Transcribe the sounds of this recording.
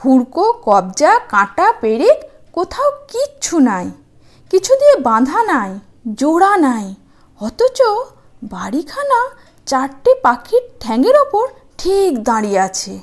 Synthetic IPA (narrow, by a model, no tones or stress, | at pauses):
hʰuɽkokɔb̚d͡ʒakãʈapeɽek | kot̪ʰaokit͡ʃʰunaj | kit͡ɕʰud̪iebãd̪ʱanaj | d͡ʒoɽanaj | ɔt̪ot͡ʃo | baɽikʰana | t͡ɕaɾʈipakʰiʈ̚ʈʰɛ̃ŋɡeɾopoɾ | ʈʰikd̪ãɽiat͡ɕʰe